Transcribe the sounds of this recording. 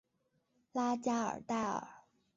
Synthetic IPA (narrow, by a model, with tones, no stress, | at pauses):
la˥t͡ɕja˥ə̰˞˨˩t̪a˥˩ɪə̰˨˩˦